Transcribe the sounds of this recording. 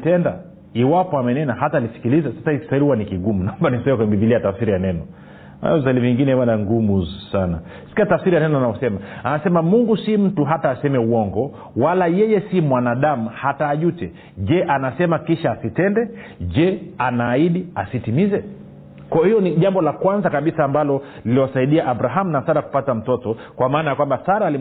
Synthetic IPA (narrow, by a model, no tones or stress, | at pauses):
tɛnda | iwapɔamɛnɛnahataːlisi̥kilizɛsasai̥saiɾihuwanikiɡumunaɔmbanisɛmɛkwɛmbiviliatafsiɾijanɛnɔ | a̰zaliviŋɡinɛwanaŋɡumusana̰ | si̥kiatafsiɾijanɛnɔanaɔsɛmaanasɛmamuŋɡusim̩tuɦataːsɛmɛuɔŋɡɔ | walajɛjɛsimwanaɗamuhataːʄutɛ | ʄɛʔanasɛmakiʃaːsitɛndɛ | ʄɛanaːiɗiasitimizɛ | kɔhijɔniʄambɔlakwanzakaɓisaːmbalɔ | liliwasaiɗiaʔabɾaɦamunasaɾaku̥patam̩tɔtɔ | kwamaːnajakwambasaɾaːli